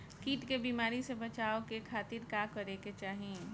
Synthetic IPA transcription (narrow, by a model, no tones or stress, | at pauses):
kiːʈkebiːmaːɾisebɐt͡ʃaːokekʰaːt̪ɪɾkaːkɐɾeket͡ʃaːɦe